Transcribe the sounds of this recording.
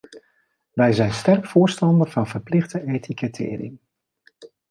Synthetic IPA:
ʋɛjzɛjnstɛrkfʊːɹstɑndərvɑnvəɹplɪχdəejtʰikətʰɪ̰ːɾɪ̰ŋ

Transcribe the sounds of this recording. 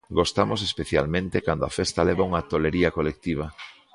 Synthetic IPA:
ɡost̪amosespeθja̰lmẽnt̪ekand̪oafest̪aleβauŋɐt̪oleɾiɐkolek̚t̪iβ̞ɐ

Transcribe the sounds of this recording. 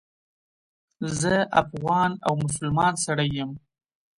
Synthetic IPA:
zəafɣɑna̰wmʊs̬ʊlmɑnsaɽajːəm

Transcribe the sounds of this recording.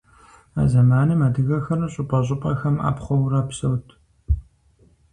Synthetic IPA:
a̰ːzɐmaːnɨmadɨɣɐxɐrɨɕʼʊpʼɐɕ̬ʼɪpʼɐxɐma̰ːpχʷɔwɾɐpsɐwtʰ

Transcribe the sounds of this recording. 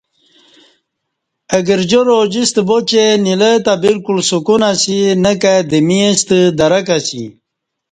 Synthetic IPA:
əɡəɾd͡ʑoɾod͡ʑist̪bot͡ɕenilət̪abilkulsukunasinəkad̪imiest̪əd̪ɐɾəkasḭ

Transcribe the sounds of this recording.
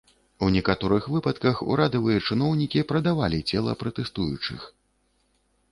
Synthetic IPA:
unʲɛkat̪ɔɾɨxvɨpɐt̪kɐxṵɾad̪ɐvɨjɐt͡ʂɨn̪ɔwnʲikʲipɾɐd̪avalʲit͡sʲɛlˠɐ̰pɾɐt̪ɛst̪ujut͡ʂɨ̰x

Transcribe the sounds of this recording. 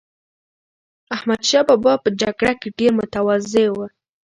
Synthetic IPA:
ahmad̪ʃɑbɑbɑpəd͡ʒaɡɽakeɖeɾmʊt̪awazewə

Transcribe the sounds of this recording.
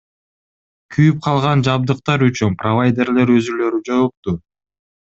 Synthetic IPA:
kʰyjyp̚qʰɑlˠʁɑnd͡ʒɑb̚d̪ɯqt̪ɑɾyt͡ʃynprovajd̪ʲe̞rle̞ɾø̞zylø̞ɾyd͡ʒo̞ːq̚t̪u

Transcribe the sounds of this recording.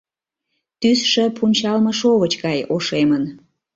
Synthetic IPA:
t̪ysʃəpunʲt͡ɕɑlməʃoβət͡ɕɡɑjoʃemən

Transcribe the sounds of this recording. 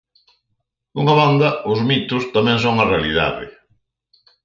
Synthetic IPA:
duŋaβand̪ɐʊzmit̪ʊst̪amɛ̃ŋsoŋarealiða̰ðɪ̰

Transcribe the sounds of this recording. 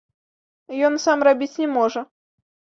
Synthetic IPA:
jɔnsamrabʲit͡sʲnʲɛmɔʐɐ

